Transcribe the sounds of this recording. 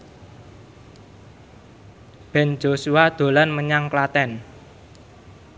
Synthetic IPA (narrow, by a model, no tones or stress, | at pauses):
b̥ɛ̤nd͡ʒosuad̪̥o̤lanməɲaŋklat̪ɛn